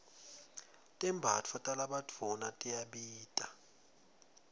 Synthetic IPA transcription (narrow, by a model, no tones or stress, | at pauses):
tʼɛmbʱat͡fʰɔtʼalaɓadʰʱɔnatʼijaɓiːtʼa